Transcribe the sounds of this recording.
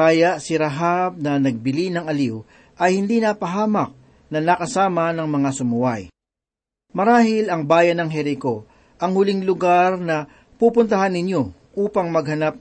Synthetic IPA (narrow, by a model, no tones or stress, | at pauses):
aːjɐʔsɪɾɐɦab̚nɐnɐɡ̚bɪlinɐŋɐliw | ʔɐjhɪnd̪inɐapɐɦaːmɐk̚ | nɐnɐkɐsaːmɐnɐŋmɐŋasʊmʊwaj | mɐɾaːhɪlɐŋbaːjɐnɐŋɦɛɾɪko̞ | ʔɐŋhʊliŋlʊɡaɾnɐ | pupʊnt̪ɐɦanːɪɲjo̞ | ʔuːpɐŋmɐɡ̚hɐnap̚